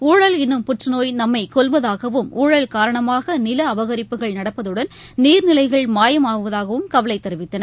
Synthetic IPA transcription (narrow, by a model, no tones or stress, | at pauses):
uːɻɐlɛnːɯmpʊʈrɐnoːjnɐmːɐɪkɔlʋɐðaːɣɐʋɯmuːɻɐlkaːɾɐɳɐmaːɣɐnɪlɐːʋɐɣɐɾɪpːɯɣɐɭnɐɽɐpːɐðɯɽɐn | niːɾnɪlɐɪɣɐɭmaːjɐmaːʋɯʋɐðaːɣɐʋɯmkɐʋɐlɐɪt̪ːɐɾɯʋɪt̪ːɐnɐ